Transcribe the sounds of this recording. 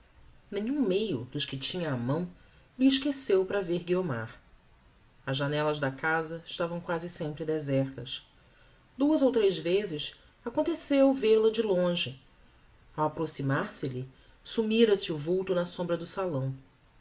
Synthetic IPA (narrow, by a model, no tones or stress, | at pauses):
nẽɲũmejʊ̰d̪ʊʃkɪt͡ʃĩɲɐːmɐ̃w̃ | lɪɪʃkesewpɾɐveɾɡioma̰ɾ | ɐzʒanɛlɐʒd̪ɐkazɐɪʃt̪avɐ̃w̃kwazɪsẽmpɾɪd̪ezɛχt̪ɐs | d̪̥uɐzowt̪ɾejzvezɪʃ | akõnt̪esewwveɾlɐd͡ʒɪlõʒɪ | awapɾosimaɾsɪʎɪ | sumiɾɐsiuvuwt̪ʊnɐsõmbɾɐd̪ʊsalɐ̃w̃